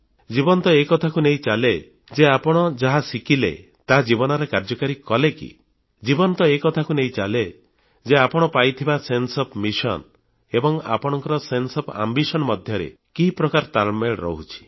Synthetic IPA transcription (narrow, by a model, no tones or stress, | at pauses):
d͡ʒibɔnt̪ɔekɔt̪ʰakuneĩt͡ʃale | d͡ʒeapɔɽ̃ɔd͡ʒaɦasikilḛ | t̪aɦad͡ʒibɔnɔɾekaɾd͡ʒɔkaɾikɔlekḭ | d͡ʒibɔnt̪ɔekɔt̪ʰakuneĩt͡ʃale | d͡ʒeapɔɽ̃ɔpajt̪ʰibasensɔpʰmisɔ̰n | ebɔŋa̰pɔɽ̃ɔŋkɔɾɔsensɔpʰa̰mbisɔnɔmɔd̪ʱjɔɾḛ | kiɦipɾɔkaɾt̪almeɭɾɔ̰ɦut͡ʃʰi̥